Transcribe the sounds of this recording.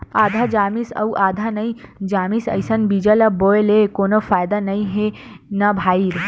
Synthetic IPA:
aːd̪ʱad͡ʒaːmisɐ̰wʔaːd̪ʱanɐĩd͡ʒaːmisɐ̰jsɐnbid͡ʒəlɐboːelekoːnofaːjd̪anɐĩɦenɐbʱaːiɾ

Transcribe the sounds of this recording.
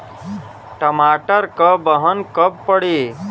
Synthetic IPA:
ʈəmaːʈəɾkəbəɦənkəbpəɽe

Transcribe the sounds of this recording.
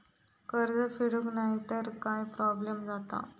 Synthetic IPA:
kəɾd͡zəfiɽuknaɦit̪əɾkajpɾɔblemd͡zat̪a̰

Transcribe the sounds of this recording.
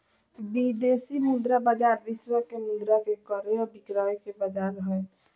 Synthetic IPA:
bid̪esimud̪ɾabad͡ʒaɾʋɪswəkemʊd̪ɾakekəɾeɔɾbikɾaekebəd͡ʒaɾəɦəe

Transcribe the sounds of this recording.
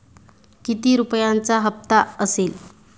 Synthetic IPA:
kit̪iːɾupjãnt͡saɦəp̚t̪aəsel

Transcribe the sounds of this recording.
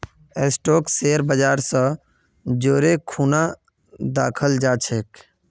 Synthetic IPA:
esʈoːkseːɾbəd͡ʒaːɾsə̃ | d͡ʒoːɾekʰuːna | d̪a̰ːkʰəld͡ʒaːt͡ʃʰeːk

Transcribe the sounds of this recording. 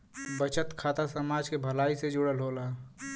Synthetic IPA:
bət͡ʃət̪kʰaːt̪asəmaːd͡ʒkebʱəlaːised͡ʒʊɽəlɦoːla

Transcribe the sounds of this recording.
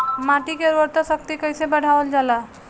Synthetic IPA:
maʈikeɾoɾt̪əsək̚t̪ikəjsebəɽ̤ʱaʋəld͡ʒala

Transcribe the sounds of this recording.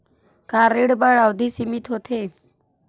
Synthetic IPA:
kaɾiɽbaɽawd̪ʱisimit̪ʰɦot̪ʰe

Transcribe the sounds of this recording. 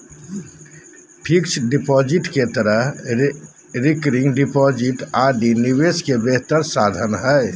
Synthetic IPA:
pʰiksɖipɔːd͡ʒɪʈket̪əɾəɦ | ɾɪkɾɪŋɡɖipɔːd͡ʒɪʈaːɖiniweskebeɦt̪əɾsaːd̪ʱənɦɛ

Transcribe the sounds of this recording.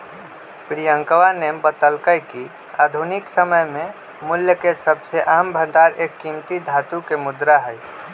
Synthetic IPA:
pɾijə̃ŋkʋanebət̪əlkəjki | aːd̪ʱunɪksəməjmẽ | mʊljəkesəbseʔaːmbʱə̃ɳɖaːɾeːkːimt̪id̪ʱaːt̪ukemʊd̪ɾaɦɛj

